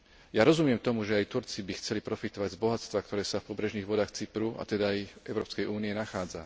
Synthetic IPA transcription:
jaɾɔzumɪɛmt̪ɔmuʒɛajt̪uɾt͡sibixt͡sɛlipɾɔfit̪ɔʋaɟzbɔɦat͡st̪ʋakt̪ɔɾɛːsafpɔbɾɛʒniːɣʋɔd̪aːxt͡sipɾua̰t̪ɛd̪ajʔɛʊɾɔːpskɛjuːniɛnaxaːd͡za

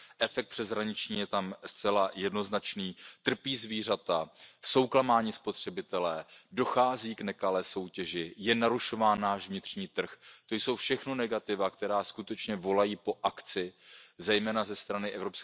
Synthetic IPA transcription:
ʔɛfɛkt̪pr̥ɛzɦɾaɲɪt͡ʃɲiːjɛt̪amst͡sɛlajɛdno̞znat͡ʃniːt̪r̩piːzviːr̝at̪aso̞wklamaːɲiːspo̞t̪r̝̥ɛbɪt̪ɛlɛːdo̞xaːziːknɛkalɛːso̞wcɛʒɪjɛnaɾuʃo̞vaːnːaːʒvɲɪt̪r̥ɲiːt̪r̩xt̪o̞jso̞wfʃɛxno̞nɛɡat̪ɪvakt̪ɛɾaːskut̪ɛt͡ʃɲɛvo̞lajiːpo̞ʔakt͡sɪzɛjmɛːnazɛst̪ɾanɪʔɛvɾo̞psk

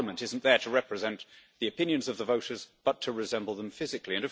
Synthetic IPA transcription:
mə̃ntɪzn̩ðə˞ɾəɹɛpɹɨzɛ̃nʔðiɨpɪ̃njɨ̃nzʌvðəvoʊɾə˞zb̥ʌtʰəɹɨzɛ̃mbl̩ˠðə̃ɱfɪzɨkliɨ̃nɨ

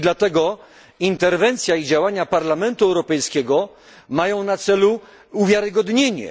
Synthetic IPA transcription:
d̪lat̪ɛɡɔ | int̪ɛɾvɛnt̪sʲjaid͡ʑawaɲapaɾlamɛnt̪uɛwɾɔpɛjskʲɛɡɔ | majɔ̃w̃nat̪sɛlu | uvʲjaɾɘɡɔd̪ɲeɲɛ̰

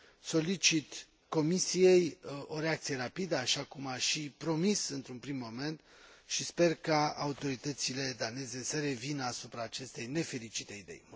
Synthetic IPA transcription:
so̞lit͡ʃit̪ | ko̞misije̞jo̞ɾe̞akt̪sije̞ɾapid̪əaʃakumaʃipɾo̞misɨnt̪ɾunpɾimːo̞me̞nt̪ | ʃispe̞rkaaut̪o̞ɾit̪ət̪sile̞d̪ane̞ze̞səɾe̞vinəasupɾaːt͡ʃe̞st̪e̞jne̞fe̞lit͡ʃit̪e̞id̪e̞̰j

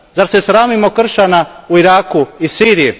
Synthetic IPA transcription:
zaɾsesɾaːmimo̞kr̩ʃanauiɾaːkuisiːɾije

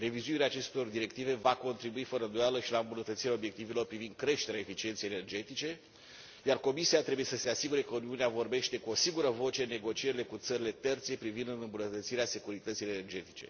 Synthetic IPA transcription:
re̞vizuiɾeaːt͡ʃe̞st̪o̞rd̪iɾe̞k̚t̪ive̞vako̞nt̪ɾibuifəɾənd̪ojaləʃilaɨmbunət̪ət̪siɾaobje̞k̚t̪ivelo̞rpɾivind̪̥̚kɾe̞ʃt̪e̞ɾeae̞fit͡ʃient̪sejene̞rd͡ʒe̞t̪it͡ʃe̞ | jarko̞misiat̪ɾe̞buje̞səse̞asiɡuɾe̞kəuniuneavo̞rbe̞ʃt̪e̞kuo̞siŋɡuɾəvo̞t͡ʃeɨnːe̞ɡo̞t͡ʃie̞ɾile̞kut̪səɾile̞t̪ert̪sie̞pɾivind̪ɨnɨmbunət̪ət̪siɾease̞kuɾit̪ət̪sijene̞rd͡ʒe̞t̪i̥t͡ʃe̞̰

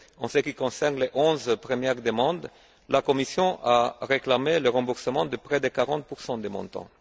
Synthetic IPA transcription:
ɑ̃səkikɔ̃sɛʁnleʔɔ̃zpχəmjɛʁd̪əmɑ̃d̪ | lakɔmisjɔ̃ʔaʁeklameləʁɑ̃buʁsəmɑ̃d̪əpχɛd̪əkaʁɑ̃t̪̚puʁsɑ̃d̪emɔ̰̃t̪ɑ̰̃

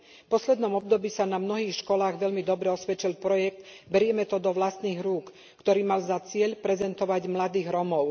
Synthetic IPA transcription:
fpɔslɛd̪nɔmɔbd̪ɔbiːsanamnɔɦiːxʃkɔlaːɣʋɛʎmid̪ɔbɾɛɔsʋɛt͡ʃilpɾɔjɛk̚t̪ | bɛɾɪɛmɛt̪ɔd̪ɔʋlast̪niːɣɾuːkː | t̪ɔɾiːmalzat͡sɪɛʎpɾɛzɛnt̪ɔʋaɟmlad̪iːɣɾɔmɔʊ

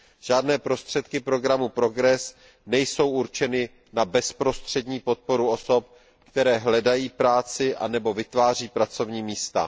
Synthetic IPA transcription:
ʒ̥aːdnɛːpɾo̞st̪r̥ɛt̪kɪpɾo̞ɡɾamupɾo̞ɡɾɛs | nɛjso̞wʔuɾt͡ʃɛnɪ | nabɛspɾo̞st̪r̝̥ɛdɲiːpo̞t̪̚po̞ɾuo̞so̞p̚ | kt̪ɛɾɛːɦlɛdajiːpɾaːt͡sɪʔa̰nɛbo̞vɪt̪vaːr̝iːpɾat͡so̞vɲiːmiːst̪a̰

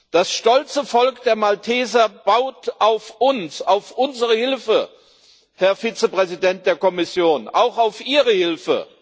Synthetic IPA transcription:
d̥asʃtɔlt͡səfɔlkd̥eːɐmaltʰɛːzɐb̥aʊtʔaʊfʔʊnsaʊfʔʊnzəʁəhɪlfə | hɛɐfiːt͡səpʁ̥ɛzidɛnt̚d̥eːɐkɔmɪsjoːnʔaʊxaʊfʔiːʁəhɪlfə̰

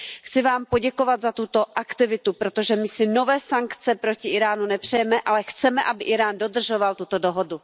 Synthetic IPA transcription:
xt͡sɪvaːmpo̞ɟɛko̞vat̪zat̪ut̪o̞ʔakt̪ɪvɪt̪upɾot̪oʒɛmɪsɪno̞vɛːsaŋkt͡sɛpɾo̞cɪʔɪɾaːnunɛpr̝̥ɛjɛmɛʔalɛxt͡sɛmɛʔabɪʔɪɾaːndo̞d̪r̩ʒovalt̪ut̪o̞do̞ɦodu

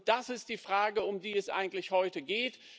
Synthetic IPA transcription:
d̥asɪst̚d̥iːfʁ̥aːɡəʊmdiːɛsʔa̰ɪɡŋ̩tlɪçhɔʏtəɡeːt

